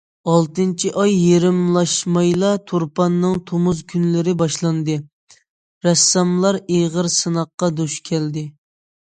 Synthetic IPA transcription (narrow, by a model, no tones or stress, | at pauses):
ɑlˠt̪ɨnt͡ʃʰiʔɑjːeɾɪmlˠɑʃmɑjlˠɑt̪ʰoɾpɑnːɨŋt̪ʰomuzkʲʰynlɪɾɪbɑʃlˠɑnd̪ɨ | ɾɛsːɑmlˠɑɾeʁəɾsɨnɑqːɑd̪uʃkʲʰɛld̪ɪ